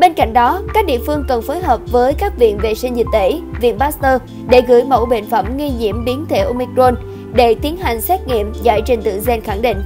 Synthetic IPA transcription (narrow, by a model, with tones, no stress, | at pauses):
ɓe˧nka̰˧˨jŋ̟ɗɔ˨˦kaː˦˥k̚ɗḭ˧˨əfɨ˧əŋkə˨˩nfoː˨˦jɦəː˨˩p̚vəː˨˦jkaː˦˥k̚vḭ˧˨ənvḛ˧˨sï˧ŋzi˨˩t̚t̪e˨˦vḭ˧˨ənɓaː˦˥st̪əː˧ | ɗe˧˩ɣɨ̰˧˩əjmə̰˧˩wɓḛ˧˨nfə˧˩mŋi˧ɲḭ˧˨əmɓi˨˦ənt̪ʰe˧˩ʔo˧mi˧kɾo˧n | ɗe˧˩t̪i˨˦ənɦa˨˩jŋ̟sɛ˦˥t̚ŋḭ˧˨əmza̰ː˧˩jt͡ɕe˧nt̪ɨ̰˧˨ŋzɛ˧nxa˧˩ŋɗḭ̈˧˨ŋ̟